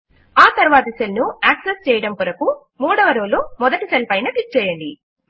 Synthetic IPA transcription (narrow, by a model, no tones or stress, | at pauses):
aːt̪ɐɾuʋaːt̪ɐsɐlnuaːksest͡ʃɛːjɐɽɐmpuɾɐku | muːɽɐʋɐɾoːloːmɔd̪ɐʈisɐlpɐjnɐʈik̚t͡ʃɛːjɐɳɖi